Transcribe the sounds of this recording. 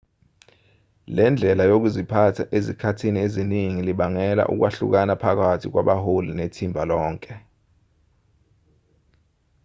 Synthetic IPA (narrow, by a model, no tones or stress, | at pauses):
lɛnd͡ɮʱɛlajok̬uzipʰatʰaʔezikʰatʰinieziniŋiliɓaŋɛla̰ʔṵk̬waɬṵk̬anapʰak̬atʰik̬wa̰ɓaholinetʰimbʱalɔːŋkʼɛ